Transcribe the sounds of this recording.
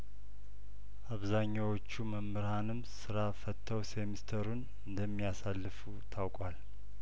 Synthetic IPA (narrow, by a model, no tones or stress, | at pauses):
ʔaβzaɲːawo̞t͡ʃːuməmːɨɾhanɨmsɨɾafət̪ʰːəwsemist̪ʰəɾun | ɨnd̪əmːijasalːɨfut̪ʰawkʼwal